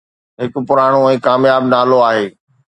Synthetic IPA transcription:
ɦɪk̆pʊɾaːɽ̃oɛ̃ːkaːmjaːbnaːloaːɦeː

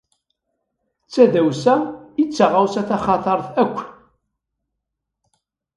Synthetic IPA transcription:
t͡sːæðæwsæit͡sːaʁawsæθæχɑt̪ˤəɾˤθækʷː

